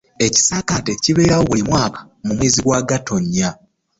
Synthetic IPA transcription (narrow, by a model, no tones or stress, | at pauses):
e̞ci̥saːkateciβe̞ːɾawoβulimwaːkḁ | mumweːziɡwaɡato̞ɲːa